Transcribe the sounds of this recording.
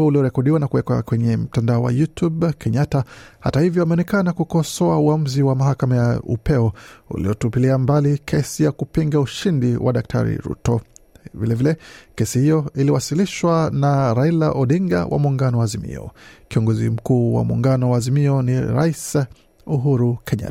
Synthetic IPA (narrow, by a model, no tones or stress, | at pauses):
uliɔɾɛkɔɗiwanakuwɛkwakwɛɲɛm̩tandaɔwa̰jutubkʰɛɲataha̰tahivjɔamɛɔnɛkanakukɔsɔauam̩ziwamaɦakamajaṵpɛɔṵlḭɔtupiliambalikʰɛsijakupiŋɡauʃindiwʔa̰ɗak̚tʰa̰ɾḭɾṵtɔvilɛvilɛkɛsihijɔiliwasiliʃwanaɾailaʔɔɗiŋɡa̰wʔa̰muŋɡanɔwaːzimḭɔ̰kiɔŋɡɔzim̩kuːwa̰mṵŋɡanɔwaːzimiɔniɾa̰is | uɦuɾukʰɛɲa̰t